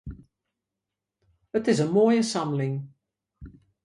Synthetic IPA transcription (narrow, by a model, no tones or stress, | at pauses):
ətɪzəmɔjəsamlɪŋ